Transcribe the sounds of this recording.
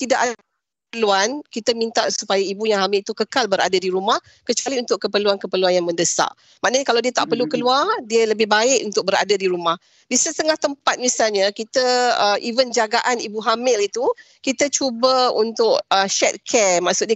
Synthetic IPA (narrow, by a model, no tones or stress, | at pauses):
t̪idaʔa | pəluankit̪amint̪aʔsupajaibujaŋɦamɪlit̪ukəkalbəɾa̰dadiɾumah | kət͡ʃualiunt̪ʊʔkːəpəluankəpəluanjaŋmə̃ndəsa̰ʔ | mãʔnəɲakalawdiət̪aʔpərlukəluardiələbɪhbaɪʔunt̪ʊk̚bəɾa̰dadiɾumah | disət̪əŋaht̪əmpat̪̚misalɲakit̪əəʔivənd͡ʒaɡaʔanibuɦamɪlit̪u | kit̪at͡ʃubəṵnt̪ʊʔ̚əʃɛt̪̚kʰɛmaʔsut̪̚ɲa